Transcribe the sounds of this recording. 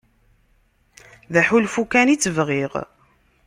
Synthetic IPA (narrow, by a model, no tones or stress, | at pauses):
ðæħulfukænit͡sːəvʁiʁ